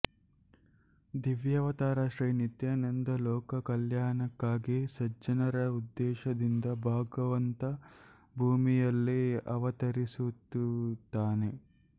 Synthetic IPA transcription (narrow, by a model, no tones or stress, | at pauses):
d̪iʋjɐʋɐt̪aːɾaʃɾɐjnit̪jɐnɐnd̪ɐlɔːkɐkɐljaːnɐkːaːɡisɐd͡ʒɐnɐɾɐud̪ːɛːʃɐd̪ind̪ɐbʱaːɡɐʋɐnt̪ɐ | bʱuːmijɐlːiɐʋɐt̪ɐɾisut̪ːut̪ːaːne